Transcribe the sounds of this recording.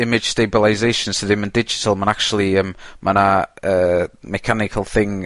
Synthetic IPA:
ɪmɪ̥ʒ̥stejbəlˠaɪzejʃə̃nsʰəðɪ̃məndɪd͡ʒɪ̥tʰəlˠmanak̚t͡ʃuəlˠiəmmʔanaəːmɛkʰanɪkʰəlˠθɪŋ

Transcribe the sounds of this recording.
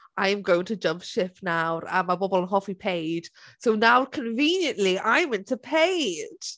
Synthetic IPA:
ʔãɪ̃mɡoʊɪ̃ŋtʰəd͡ʒʌ̃mpʃɪfnaʊə̰̃nmaɪbɔbəlˠə̃nɦɒfipʰeɪd̥soʊnaʊkʰə̃ɱvĩːnjə̃nʔliʔãɪ̃mɪ̃ntʰəpʰeɪd̥

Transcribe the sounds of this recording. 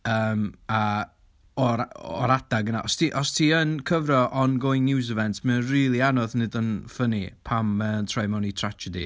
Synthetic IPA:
əːma | ɔɾɔ̰ɾad̥aɡənaʔɔstʰiʔɔstʰiənkʰəvrɔʔɔnɡojnːɪwz̬ɛvɛntʰmənriːlˠianɔθnɨdənfənipʰaməntʰrɔjmɔnitʰr̥ad͡ʒɛdḭ

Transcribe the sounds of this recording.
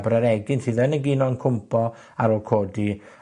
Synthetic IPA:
bɾəɾɛɡɪnsiðɛnəɡinɔnkʰʊmpʰɔ | aɾɔkʰoːdi

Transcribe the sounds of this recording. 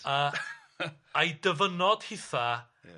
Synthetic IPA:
a | ajdəvənɔd̥hɪθa

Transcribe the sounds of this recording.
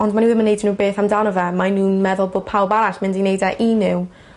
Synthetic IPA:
ɔndmaniɪmənejdnuːbeːθamdawnɔvɛmanuːnmɛðʊlˠboːd̚pʰawlˠbaɾaɬmɪndinejdaʔinɪw

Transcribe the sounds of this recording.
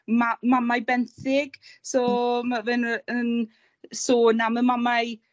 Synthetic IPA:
mamamajbɛnθɪɡ̥soːmavɨnən | soːnaməmamaj

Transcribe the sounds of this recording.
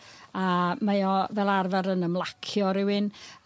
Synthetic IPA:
amajɔvɛlˠarvaɾənəmlˠakʰjɔɾɪwɨn

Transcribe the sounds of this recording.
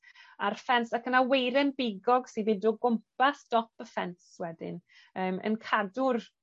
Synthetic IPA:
arfɛnsakənawejɾɛnbɪɡɔɡsibɪduɡʊmpasd̥ɔpəfɛnswɛdɪ̰n | əːmə̰nkʰadʊr

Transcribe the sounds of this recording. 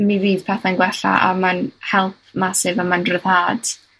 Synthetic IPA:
miviːð̥pʰɛθanɡwɛɬa̰ʔamanhɛlˠθmasɪvamanrəðaːd̥

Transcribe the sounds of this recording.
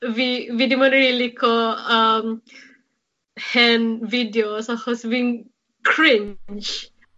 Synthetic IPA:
vividimɔ̃nɹilikʰoam | hɛnvidiosɔhɔsbĩŋ | kʰɹɪ̃nt͡ʃ

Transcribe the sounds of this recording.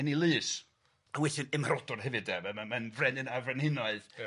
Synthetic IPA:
nilˠɨːs | awɛθɨnɛmaɾɔdʊrhɛvɨdɛmamamanvrɛnɨnavrɛnhɪnɔɨð

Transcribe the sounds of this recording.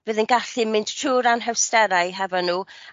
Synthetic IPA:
b̥ɨːðənɡaɬɨmɪndtʰruːɾanɦɛwstɛɾajɦɛvɔnːuː

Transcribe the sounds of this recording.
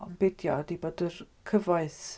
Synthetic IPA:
ɔmbɪdjɔ̰diboːdər | kʰəvaɨθ

